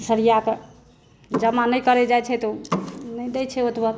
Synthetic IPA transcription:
səɾijake | d͡ʒəmanəjkəɾɛd͡ʒajt͡ʃʰɛt̪onɛd̪ɛjt͡ʃʰɛot̪bə

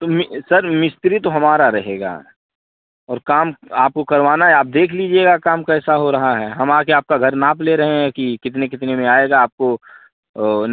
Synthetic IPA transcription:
t̪omɪsɐɾmɪst̪ɾit̪oɦɐmaːɾaɾɐɦeːɡa̰ː | ɔːɾkaːmaːp̚kokɐɾʋaːnaɦɛaːp̚d̪eːkʰliːd͡ʒieːɡakaːmkɛːsaɦoɾɐɦaɦɛːɦɐmaːkeaːp̚kaɡʱɐɾnaːpleɾɐɦẽɦɛ̃kikɪt̪̬nekɪt̪nemẽaːeːɡaaːp̚ko | n

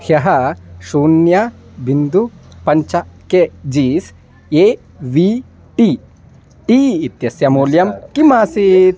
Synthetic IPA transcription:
hjɐɦɐʃuːnjɐ | bind̪upɐɲt͡ʃɐked͡ʒiːs | e | ʋi | ʈi | ʈiːit̪jɐsjɐmuːljɐmkimaːsit̪

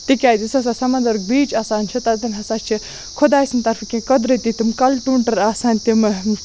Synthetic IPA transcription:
t̪ikʲaːd̪isɐsasɐmɐnd̪ɐɾɡbiːt͡ʃaːsaːnʲt͡ʃʰit̪ɐt̪ɐnʲɦɐsaːt͡ʃʰi | kʰod̪aːsint̪ɐɾfʰkʲẽkɐd̪ɾɨt̪it̪imkɐlʈuːɳʈɐɾaːsaːnʲt̪im

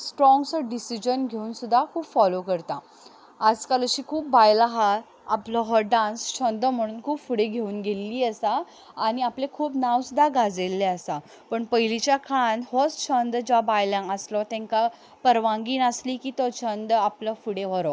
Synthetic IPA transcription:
sʈɾɔ̃ŋɡsəɖisid͡ʑənɡʱeuːnsud̪ʱːakʰuːpfɔlokəɾt̪a | ad͡zkaləɕiːkʰuːp̚bajlaɦa | a̰plɔɦɔɖãnst͡ɕʰənd̪m̤əɽ̃uːnkʰuːpfuɽeɡʱeuːnɡelːiːəsaː | ɽ̃iaplekʰuːpnaʋsud̪ʱːaɡʱad͡zelːeəsa | pəɳpəjlit͡ɕjakʰanɦɔst͡ɕʰənd̪d͡ʑabajlãŋəslɔt̪ɛ̃ŋka | pəɾʋãŋɡiːnəsliːkiːt̪ɔt͡ɕʰənd̪apləfuɽeʋ̤əɾɔ

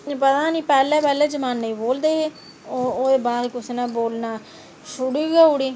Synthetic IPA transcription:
pət̪ãːnĩːpɛːlɛ̃ːpɛːlɛ̃ːd͡ʒəmaːnːəĩboːld̪eːɦeː | ooːd̪eːbaːd̪kʊsnãːboːlnaː | ʃʊɽiːɡaːʊɽiː

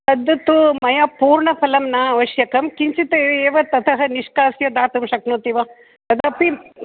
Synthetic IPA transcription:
t̪ɐd̪ːɐt̪ːumɐjapuːɾɳɐpʰɐlɐmnaːɐʋɐʃjɐkɐmkiɲt͡ʃit̪ɐeːʋɐt̪ɐt̪ʰɐɦɐniʂkaːsjɐd̪aːt̪umʃɐknoːt̪iʋɐ | t̪ɐd̪ɐpi

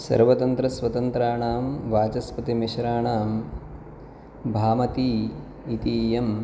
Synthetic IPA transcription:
sɐ̰ɾʋɐt̪ɐnt̪ɾɐsʋɐt̪ɐnt̪ɾaːɳaːmʋaːt͡ʃɐspɐt̪imiʃɐɾaːɳaːm | bʱaːmɐt̪iː | t̪iːjɐm

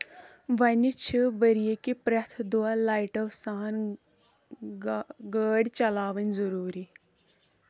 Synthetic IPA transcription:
ʋɐnit͡ʃʰiʋɐɾijekipɾɐt̪ʰd̪ualaːiʈɐʋsaːn | ɡəːɽʲt͡ʃɐlaːʋɐnʲzɐɾuːɾi

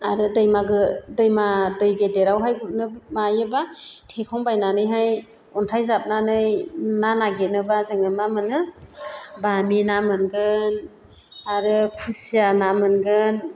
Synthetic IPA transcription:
aɾɯdɯjmaɡɯdɯjmadɯjɡedeɾawɦajɡunɯmajɯbatʰekʰɔŋbajnanɯjɦaj | ɔntʰajzap̚nanɯjnanaɡenɯbazɯŋɯmamɯnɯ | baminamɯnɡɯn | aɾɯkʰusianamɯnɡɯn

